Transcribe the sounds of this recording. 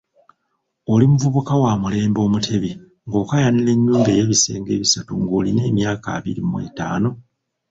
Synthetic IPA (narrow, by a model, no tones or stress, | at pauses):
olimuvuβukawamule̞ːmbo̞ːmutʰe̞βi | ŋɡo̞ːkajanile̞ɲːuːmbe̞je̞βise̞̰ːŋɡe̞ːβisatuŋɡoːline̞ːmjaːka̰ːβḭɾimmwe̞̰ːta̰ːno̞